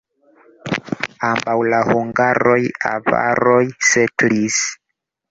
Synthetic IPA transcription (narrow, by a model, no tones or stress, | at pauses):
ambawlahuŋɡaɾojava̰ɾojsetlis